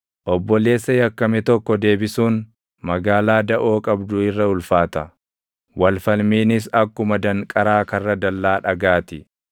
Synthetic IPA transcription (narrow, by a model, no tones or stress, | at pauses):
ʔɔbːɔle̞ːsːɐjɐkːɐmɛt̪ɔkːɔd̪e̞ːbɪsuːn | mɐɡaːlaːd̪ɐʔo̞ːkʼɐbd̪ʊɪrːɐʊlfaːt̪ɐ | wɐlfɐlmiːnɪs̬ɐkːʊmɐd̪ɐŋkʼɐɾaːkɐrːɐd̪ɐlːaːᶑɐɡaːt̪ɪ